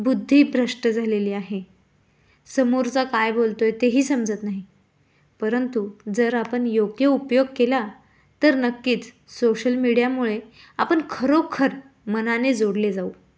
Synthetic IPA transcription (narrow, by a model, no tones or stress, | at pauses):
bud̪ʱːiːbɾəʂʈəd͡zʱaleliːaɦe | səmuɾt͡sakajbolt̪ojt̪eɦiːsəmd͡zət̪naɦi | pəɾənt̪ud͡zəɾapəɳjoɡjəupjoɡ̚kela | t̪əɾnəkːiːt̪ | soɕəlmiɽijamuɭe | apəɳkʰəɾokʰəɾ | mənaned͡zoɽled͡zau